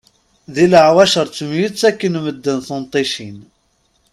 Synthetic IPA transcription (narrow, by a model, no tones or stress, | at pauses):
ðiləʕwæʃəɾˤt͡sːəmjit͡sːækːənməd̪ːənθont̪ˤiʃin